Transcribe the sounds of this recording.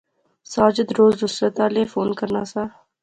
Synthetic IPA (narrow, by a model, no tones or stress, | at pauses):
saːd͡ʒɪd̪ɾoːzd̪ʊsɾet̪aːleːfoːnkəɾnaːsaː